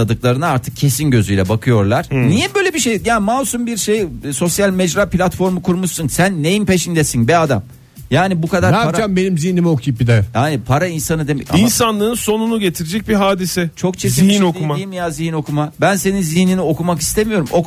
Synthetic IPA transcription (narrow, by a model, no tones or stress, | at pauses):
ad̪ɯklˠaɾɯnaaɾt̪ʰɯ̥k̚cʰe̞sinɟø̞zyjlʲɛbakʰɯjo̞ɾlˠaɾ̥nijɛbøːjlʲebiʃejjaːmalˠsumbiɾʃejso̞sjalʲmɛd͡ʒɾaːplʲat̪fo̞ɾmukʰuɾmuʃsunsænːejimpeʃind̪esinbiad̪am | jaːnibukʰad̪aɾaaaambe̞nimzihnimio̞kʰjp̚bid̪ɛaːnipʰaɾainsanɯd̪emɛ̰insanlˠɯːnso̞nunuɟe̞t̪ʰiɾed͡ʒɛc̚biɦaːd̪isɛt͡ʃʰo̞kt͡ʃʰeziiinoumiimijaːzihino̞kʰumabænse̞ninzihninio̞kumaki̥st̪ʰemijo̞ɾumʔok